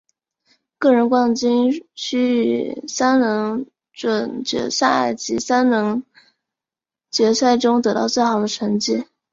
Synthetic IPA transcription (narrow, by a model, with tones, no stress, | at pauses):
kɤ˥˩ɻə˧˥nkwɑ˥˩ŋt͡ɕi˥ŋɕʰy˥y˨˩sa˥nnɤ˧˥ŋ | ʈ͡ʂwə˨˩nt͡ɕɥɛ̰˧˥sa˥˩ɪt͡ɕi˧˥sa˥nnɤ˧˥ŋ | t͡ɕɥɛ˧˥sa˥˩ɪʈ͡ʂʊ˥ŋt̪ɤ˧˥t̪ɑ˥˧ʊt͡swe˥˩ɪxɑ˨˩ʊd̪ə˦ʈ͡ʂʰə˧˥ŋt͡ɕi˥˩